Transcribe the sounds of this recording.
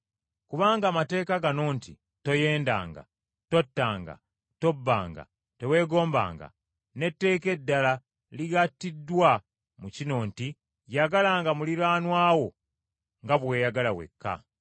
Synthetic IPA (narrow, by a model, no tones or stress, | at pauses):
kuβaːŋɡaːmate̞ːkaɡano̞ːntḭ | to̞je̞ːnda̰ːŋɡa̰ | to̞tːaːŋɡa̰ | to̞bːa̰ːŋɡa̰ | te̞we̞ːɡo̞ːmba̰ːŋɡa̰ | ne̞tːe̞ːke̞dːala | liɡatːidːwa | mucino̞ːnti | jaɡalaːŋɡamuliɾaːnwaːwo̞ | ŋɡaβwe̞ːjaɡalawḛkʰːa̰